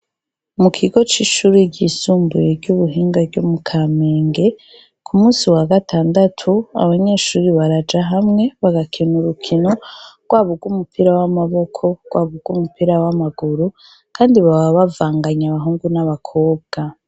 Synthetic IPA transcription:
mukʰiɡo̞t͡ʃiʃuːɾiɟisuːmbujeɾɟuβuɦiːŋɡavɟumukʰaːmeːŋɡe̞ | kʰumuːsiwaɡatʰaːndatʰua̰βaɲe̞ːʃuːɾiβaɾad͡ʒaɦamŋe̞βaɡakʰenuɾukʰino̞ɡ̥waβuɡwumupiɾawamaβo̞kʰo̞ɡ̥waːβuɡ̥wumupiɾawamaɡuɾu | kaːndiβaβaβavaːŋɡaɲaβaɦuːŋɡunaβakʰo̞ːb̚ɡ̥a

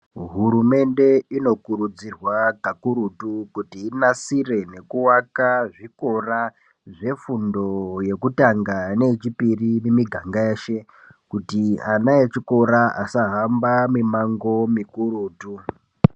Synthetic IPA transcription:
ɦuɾume̞nde̞ino̞kuɾud͡zirwakakuɾutukutiːnasire̞ne̞kuwakaʐiko̞ra | ʐe̞fundoje̞kutaŋɡane̞it͡ʃipirimemiɡʱaŋɡaeːʃe̞ | kutianaet͡ʃiko̞ɾaʔasaɦambamimaŋɡo̞mikuɾuːtu

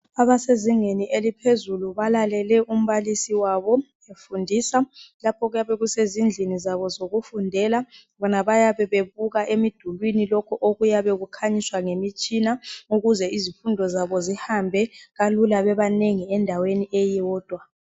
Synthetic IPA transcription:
aβaseziŋeniʔelipʰezuluβalalɛlɛʔum̩βalisiwaβɔ | efundʱiːsalapʰɔɣujaβɛɣusezind͡ɮʱinizaβɔzoɣufundʱɛla | βɔnaβajaβɛβeβuɣaʔemid̥ʱulwinilɔkʰɔʔoɣujaβɛɣukʰaɲiswaŋemit͡ʃʼinauɣuzɛizifundʱɔzaβɔzihambʱɛɣalulaβɛβaneŋiɛndʱaweniʔɛjɛwɔːd̥ʱwa

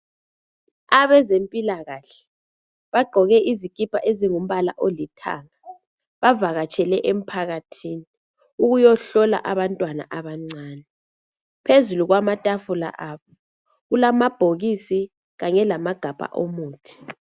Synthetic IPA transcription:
aβɛzempʼilaɣaɬɛ̥ | βaɡ͡ǃʱɔɣɛʔizikʼipʰʼaʔeziŋum̩βala̰ʔolitʰa̰ːŋa | βavaɣat͡ʃʰʼɛlɛʔem̩pʰaɣatʰiːni | uɣujɔɬɔla̰ʔaβantʼwana̰ʔaβaŋ͡ǀaːnɛ | pʰezuluɣwamatʼafula̰ʔaːβɔ | ɣulamab̥ʱoɣisi | ɣaŋɛlamaɡ̥ʱapʼa̰ʔomuːtʰi̥

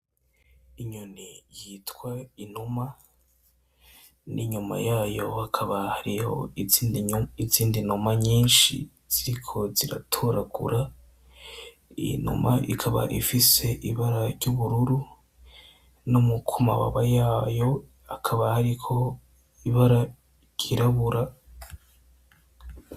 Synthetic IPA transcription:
iɲunijitkwainuma | nʔiɲuma̰jaːjo̞hakʰaβahaɾiho̰ | iziːndinumaɲiːnʃḭ | z̥iɾikʰo̞ziɾa̰tʰuɾaɡṵɾa | ḭnṵma̰ʔikʰaβa̰ʔifise̞ʔiβaɾaɾɟuβuɾuɾu | numukʰuma̰wa̰βajaːjo̞ | akʰaβahaɾikʰo̞ | iβaɾa | ɟiɾaβuɾa

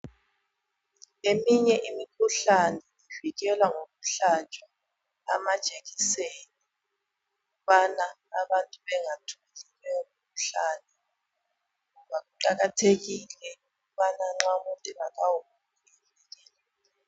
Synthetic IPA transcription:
emiɲɛʔimikʰuɬanɛiviɣɛlwaŋoɣuɬat͡ʃʼa | a̰mad̥ʒ̥ʼʱeɣiseni | ɣuβana | aβantʼuβɛŋatʰumɛlilwɛmikʰuɬanɛ | ŋuβaɣuǃaɣatʰeɣilɛuɣuβanaŋ͡ǁamuntʼɛβaɣawumukulɛllɛliːlɛ

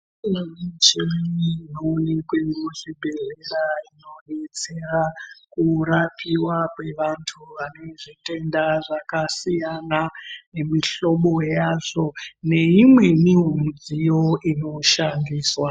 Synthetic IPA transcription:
unamet͡ʃemiminoːnekwe̞ŋɡoʐibʱe̞ɮeɾaino̞ɗe̞t͡se̞rakuɾapiwakwe̞ʋantʰuʋane̞ʐite̞ndaʐakasijanaemiɬo̞ɓo̞jaːʐo̞ne̞imwe̞niɦomud͡zijo̞ʔino̞ʃandiːswa

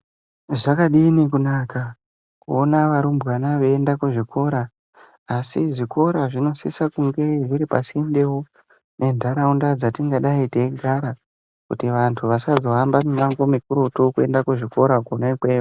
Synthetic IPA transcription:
ʐakaɗinikunaːka | kuonaʋaɾumbɣanaʋeendakuʐikʰo̞ɾaː | siʐiko̞ɾaʐino̞sisakuŋɡe̞ʐiɾipasindewo | nʔe̞ndʱaɾaundad͡zatiŋɡaɗaiteɡʱaɾa | kṵtiʋantʰuʋasazo̞ambamiɲaŋɡo̞mikuɾotukue̞ndakuʐiko̞ɾakonaikweːo

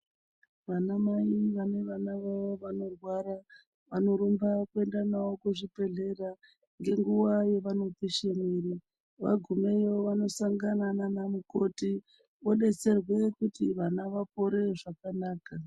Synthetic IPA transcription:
ʋanamaiʋane̞ʋanaʋaʋoʋano̞rwaɾa | ʋano̞ɾumbakue̞ndanawokuʐipe̞ɮe̞ra | ŋɡe̞ŋɡuwaje̞ʋano̞piʃemiri | ʋa̰ɡʱumejo̞ʋano̞saŋɡanananamuko̞ti | oɗe̞t͡se̞rwe̞kutiʋanaʋap̚o̞ɾe̞ʐakanaːka

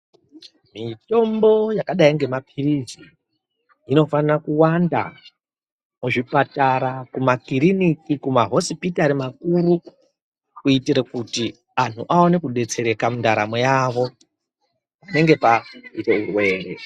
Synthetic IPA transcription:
mito̞mbo̞jakaɗaiŋɡe̞mapʰirid͡zi | ino̞fanrakuwanda̰ | muʐipataɾakumakiɾinikikumaɦo̞sipitaɾimakuɾu | kuitiɾekuti | an̤uʔaone̞kuɗe̞t͡se̞ɾe̞kamundaɾamojaːʋo̞ | ane̞ŋɡe̞paite̞urwe̞ːrḛ

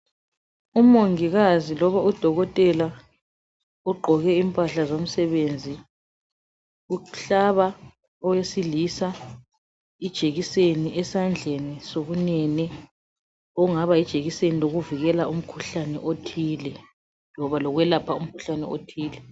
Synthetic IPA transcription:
umoŋiɣazilɔβaud̥ʱɔɣɔtʼɛla | uɡ͡ǃʱɔɣɛimpʼaɬazom̩sɛβend͡zʱi | uɬaβa | ɔjesilisa | id̥ʒ̥ʱeɣiseniʔɛsand͡ɮʱenisoɣunɛnɛ | ɔŋaβaid̥ʒ̥ʱeɣiseniloɣuviɣɛlaum̩kʰuɬanɛ̰ʔotʰiːlɛ | lɔβalɔɣwɛlapʰaum̩kʰu̥ɬanɛ̰o̰tʰiːlɛ

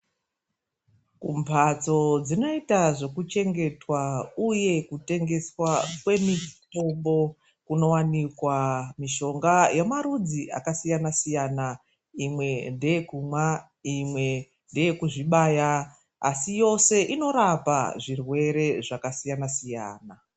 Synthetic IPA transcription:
kumpʰat͡so̞d͡zino̞itaʐo̞kut͡ʃe̞ŋɡe̞twauje̞kute̞ŋɡe̞swakwe̞mito̞mbo̞ | kuno̞wanikwamiʃo̞ŋɡajemaɾud͡ziʔa̰kasijanasijana | imwe̞nde̞jekumwa | imwe̞ | nde̞jekuʐiɓaːja | a̰sijo̞se̞ʔino̞ɾapa̰ʐirwe̞ɾe̞ʐakasijanasija̰ːna

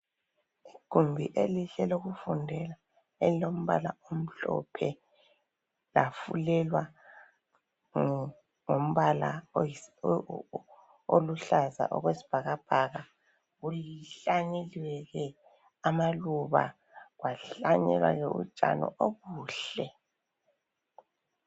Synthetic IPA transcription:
iɡ̥ʱumbʱiʔeliɬɛloɣufundʱɛla | elilom̩βa̰laom̩ɬɔ̰pʰɛ | lafṵlɛlwa | ŋom̩βala̰ | oluɬaza̰ʔɔ̰ɣwesi̥b̥ʱaɣab̥ʱaɣa | ɣuliɬaɲeliwɛɣɛ | amaluβa̰ | ɣwaɬaɲɛ̰lwa̰ɣɛṵt͡ʃʼa̰nɔ̰ʔoɣuːɬɛ

